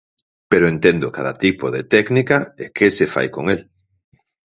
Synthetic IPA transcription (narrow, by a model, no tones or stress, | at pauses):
peɾoent̪end̪okaða̰t̪ipoðet̪ɛknikaekesefa̰jkoŋel